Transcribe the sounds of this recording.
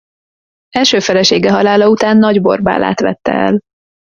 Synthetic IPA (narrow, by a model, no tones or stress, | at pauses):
ɛlʃøːfɛlɛʃeːɡɛɦɒlaːlɒut̪aːnːɒɟbo̞̰rba̰ːla̰ːt̪ʋɛ̰t̪ːɛ̰ɛ̰l